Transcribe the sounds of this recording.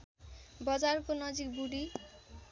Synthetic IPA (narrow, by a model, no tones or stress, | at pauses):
bɔd͡ʒaɾkonɔd͡ʑikbuɖi